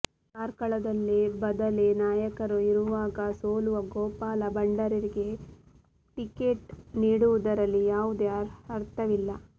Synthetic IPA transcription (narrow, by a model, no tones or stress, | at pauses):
kaːɾkɐɭɐd̪ɐlːebɐd̪ɐlenaːjɐkɐɾuiɾuʋaːɡɐsoːluʋɐɡoːpaːlɐbɐɳɖɐɾɐɾiɡe̞ | ʈikeːʈniːɽuʋud̪ɐɾɐlːijaːʋud̪eɐɾɐɾt̪ɐʋilːɐ